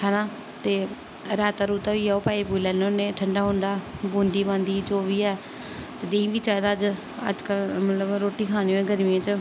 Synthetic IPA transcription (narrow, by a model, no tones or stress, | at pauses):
hɛːnãː | t̪eː | ɾaːt̪aːɾuːt̪aːʋiːɛːoːpaːipuːilɛːnõːnẽːʈʰəɳɖaːɦʊ̃ɳɖaːbõːnd̪iːbãːnd̪iːd͡ʒoːʋiːɛː | t̪eːd̪ẽĩːʋiːt͡ʃaːjd̪aːd͡ʒ | ə̰d͡ʒkəlmət̪ləbɾoːʈiːkʰaːniɛ̃ːɡəɾmiãt͡ʃə